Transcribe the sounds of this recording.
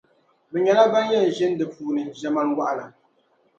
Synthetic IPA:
bɨ˨ɲɛ˨la˦ba˦n˦jɛ˦˨n̩˨ʒɛ˦n˦dɨ˨puː˨nɨ˨ʒɛ˨ma˦lwa˦ʔla˨

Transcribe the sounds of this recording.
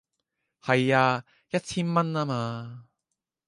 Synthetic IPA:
hɐ˨˩jaː˧ | jɐ˥t̚t͡sʰi˥nmɐ˥nːa˧maː˧

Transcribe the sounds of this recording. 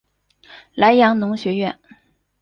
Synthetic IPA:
la˧˥ɪjɑ˧˥ŋnʊ˧˥ŋɕɥɛ˧˥ɥɛ̰˥˩n

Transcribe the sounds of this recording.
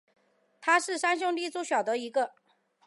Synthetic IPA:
t̪ʰa˥ʂɻ̩˥˩ʂa˥nɕ̬ʊ˥˧ŋli˥˧t͡su˥˩ɕjɑ˨˩ʊd̪ə˦i˧˥ɡə˧

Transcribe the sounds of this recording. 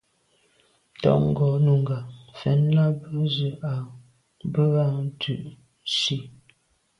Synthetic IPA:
tɔ̰˦˨ʔŋ̩˦ɡɔ˨˦nu˨ŋ˨ɡa˨fɛ˨˦nla˦bə˦zə˨a˨ | bə˦a˦tʰʉ˦˨ʔ | ʃi˦

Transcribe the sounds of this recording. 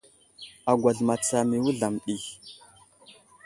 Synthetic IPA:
a˨ɡʷa˨ɮma˨t͡sa˨mi˨wu˦ɮa˨mɗi˨

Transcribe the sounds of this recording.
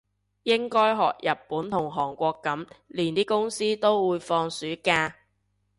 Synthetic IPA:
jɪ˥ŋkɔː˥jɦɔ̰ː˨k̚jɐ˨˩ppːuː˨˥nt̪ʰʊ˨˩ŋɦɔː˨˩ŋkʷɔː˧kːɐ˨˥mliː˨˩nt̪iː˥kʊ˥ŋsiː˥t̪o˥wwuː˨˧jfɔː˧ŋsyː˨˥kaː˧

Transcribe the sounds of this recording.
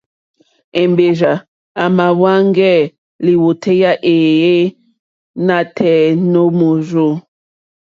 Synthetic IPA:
e˨mbe˨ʒa˨ | a˨ma˨wa˦ŋ˦ɡɛ˦˨ | li˨wo˨tʰe˦ja˦ʔe˨je˦ | na˨tʰɛ˨no˦mo˨ʒo˦

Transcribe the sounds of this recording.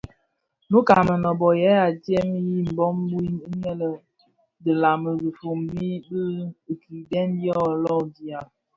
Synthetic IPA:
nu˦ka˨mə˨nɔ˨bɔ˨jɛ˨˦a˨tjɛ˦m˦ji˦m̩˨bɔ˦m˦bu˦i˦mi˦ɲɛ˦lə˨ | də˨la˨mə˨bi˨fo˨mbi˦bə˦˨ki˨dɛ˦njɔ˦˨lɔ˦˨di˨a˨

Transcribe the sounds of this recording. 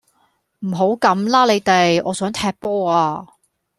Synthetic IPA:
m̩˨˩ɦo˨˥wkɐ˨˥mlaː˥le˨˧jt̪e˨jɔː˨˧sœː˨˥ŋt̪ʰɛː˧k̚pɔː˥aː˧

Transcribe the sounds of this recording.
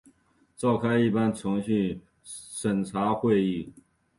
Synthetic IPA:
ʈ͡ʂɑ˥˩ʊkʰa˥ɪi˥˩pa˥nt͡sʰʊ˧˥ŋɕy˥˨n | ʂə˨˩nʈ͡ʂʰa˧˥xwe˥˧ɪi˥˩

